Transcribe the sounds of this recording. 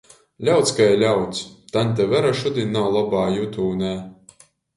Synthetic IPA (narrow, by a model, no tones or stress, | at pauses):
lʲawt̪skajlʲawt̪st̪anʲt̪̬ʲɛvæɾaʃud̪ʲinawlˠabaːjut̪uːnʲɛ